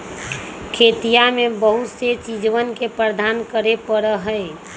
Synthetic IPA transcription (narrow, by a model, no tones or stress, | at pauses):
kʰet̪ijamẽbəɦut̪set͡ʃid͡ʒʋənkepɾəd̪ʱaːnkəɾepəɾəɦəe